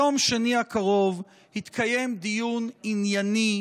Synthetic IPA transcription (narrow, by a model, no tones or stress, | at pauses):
o̞mʃaniakaʁo̞v | hit̪kʰaje̞md̪ijuninjani